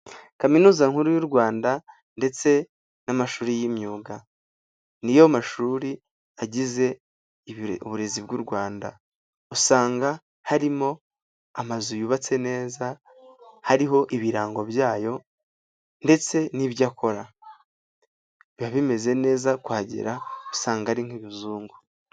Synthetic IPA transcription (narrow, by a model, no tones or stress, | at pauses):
kaminuːzaŋhuɾujuɾɡwaːnda | nde̞t͡se̞ | namaʃuːɾijimɲuːɡa | nijomaʃuːɾi | aɟize̞ | uβuɾe̞zibɡuɾɡwaːnda | usaːŋɡa | haɾimo̞ | amazujuβat͡se̞ne̞ːza | haɾiɦo̞ʔiβiɾaːŋɡo̞βjaːjo̞ | nde̞t͡se̞niβjakʰo̞ɾa | βaβime̞ze̞ne̞ːzakwaːɟḭɾaosaːŋɡaaɾiŋ̥hiβuzuːŋɡu